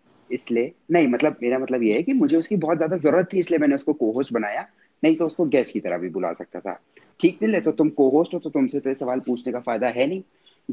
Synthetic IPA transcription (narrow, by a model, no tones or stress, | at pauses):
ɪslienɐɦĩmɐt̪ləbmeːɾamɐt̪ləbjeɦɛkimʊd͡ʒʱeʊskibɔːt̪zjaːd̪azɐɾuːɾət̪ʰːiɪsliemɛːneʊskokoːɦoːsʈbɐnaːja | nɐɦĩt̪oʊskoɡɛːskit̪ɐɾə̰ɦbʱibʊla̰sɐk̚t̪a̰t̪ʰa̰ː | ʈʰiːk̚nɪlet̪ot̪ʊmkoːɦoːsʈɦõt̪ot̪ʊmset̪eːɾesɐʋaːlpuːt͡ʃʰnekafaːɪd̪aɦɛnɐɦĩ